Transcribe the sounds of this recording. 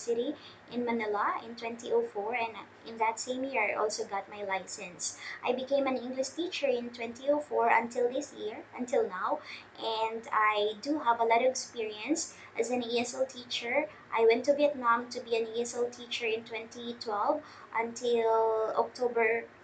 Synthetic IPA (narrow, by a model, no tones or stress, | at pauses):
sɪɾi | ʔɪ̃nmɐnɪlaɪ̃nt̪wɛ̃nt̪iʔoʊfɔɹɛ̃nʔɪ̃nðɨt̪sẽɪ̃mjɪɹajʔɔ̰lˠsoʊɡɑt̪̚majlaɪsɛ̃nsʔajbɨkẽɪ̃mæ̃nɪ̃ŋɡlɪʃt̪it͡ʃə˞ɪ̃nt̪wɛ̃nt̪ioʊfɔɹə̰̃nt̪ʰɪlˠðɪsjɪɹʔə̃nt̪ɪlˠnawʔɛ̃nd̪ajd̪uɦævəlɔɾɔvɛkspiɹiə̃ns | ʔɨzɨ̃niɛsɛlˠt̪ʰit͡ʃə˞ | ʔajwɛ̃nt̪ːuviɛt̪̚nãmt̪ʊbiæ̃niɛsɛlˠt̪ʰit͡ʃə˞ɪ̃nt̪wɛ̃nt̪it̪ʰwɛlv | ʔə̃nt̪ʰɪlɔ̰k̚t̪ʰobə˞